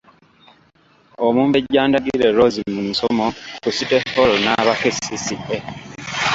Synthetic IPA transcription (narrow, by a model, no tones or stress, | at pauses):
omuːmbeɟːaːndaɡiɾeɾozimunisomokusitefolonaβakesisidːe